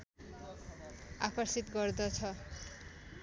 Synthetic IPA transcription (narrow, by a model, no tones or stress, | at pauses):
akʌɾsit̪ɡʌɾd̪ʌt͡sʰʌ